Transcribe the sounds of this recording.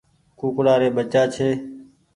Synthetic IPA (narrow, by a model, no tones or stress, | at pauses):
kuːkɽaːɾeːɓət͡ʃaːt͡ʃʰeː